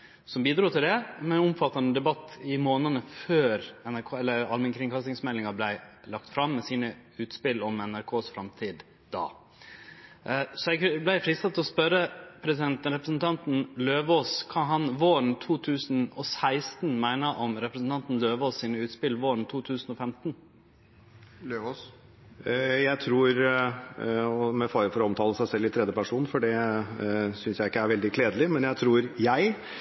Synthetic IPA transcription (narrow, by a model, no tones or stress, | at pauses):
sɔmbiːd̪ɾuːt̪ʰɪld̪ɛmɛnʊmfɑt̪ːɑnəd̪ɛbɑt̪ːɪmoːnənəføːɾɛnæɾkʰoːɛlːəɾɑ̰lmɛŋkʰɾɪŋkʰɑst̪ɪŋsmɛlːɪŋɑblæɪlɑk̚t̪fɾɑmːɛsiːnə | ʉːt̪spɪlːɔmɛnæɾkʰoːsfɾɑmt̪ʰiːd̪ | d̪ɑ̰ː | sɔɛɡblæɪfɾɪsɑt̪ʰɛlɔspœɾəpʰɾɛsɪd̪ɛnt̪ɾɛpɾəsn̩t̪ʰɑnt̪n̩løːʋoːskʰɑːɦɑnʋoːɾɳ̩t̪ʰuːt̪ʰʉːsnɔsæɪst̪nmæɪnəʔɔmɾɛpɾəsn̩t̪ɑnt̪n̩løːʋoːssiːnəʉːt̪spɪlːʋoːɾɳt̪ʰuːt̪ʰʉːsn̩ɔfɛmt̪n̩ | jæɪt̪ʰɾuːɾ | ɔmɛfɑːɾəfɔɾɔɔmt̪ʰɑːləsæɪsɛlːɪt̪ʰɾɛd̪jəpæʂuːn̩fɔɖɛ | sʏnsjæɪɪkːəæɾʋɛld̪ɪkʰleːd̪əlɪmɛnjæɪt̪ʰɾuːɾjæɪ